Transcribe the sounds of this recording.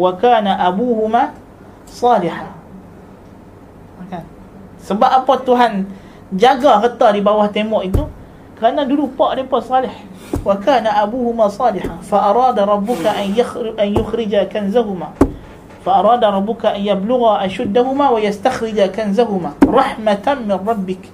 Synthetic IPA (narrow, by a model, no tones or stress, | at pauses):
wakaːnaʔabuːhʊmaː | sˤɑːlɪħa | makan | səbap̚ʔapɔt̪uɦan | d͡ʒaɡaɣət̪ɑdibawaht̪emɔʔit̪u | kəɾanadudupɔʔdepɔʔsˤɑːlɪħ | wakaːnaʔabuhʊmasˤɑːlɪħafaʔɑɾˤɑːdaɾˤɑbːʊkaʔnʔanjʊxɾɪd͡ʒakanzaɦumaː | faʔɑɾˤɑːdaɾˤɑbːʊkaʔanjablʊɣaʔaʃʊd̪ːaɦumaːwajast̪axɾɪd͡ʒakanzaɦumaːɾˤɑħmat̪anmɪnrˤɑbːɪk